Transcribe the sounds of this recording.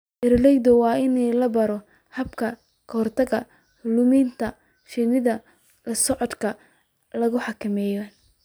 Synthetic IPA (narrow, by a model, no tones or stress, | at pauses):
ʔɪrlɛjd̪ɔwɑːɪnɛlɐbɐɾɔ | hɐbkʰɐ | kʰɐhɔrt̪ʰɐɣɐ | lʊmiːnt̪ʰɐ | ʃɪnɪðɐ | lɐsɔʕɔd̪kʰɐ | lɐɣʊħɑkʰɐmɛːjɔ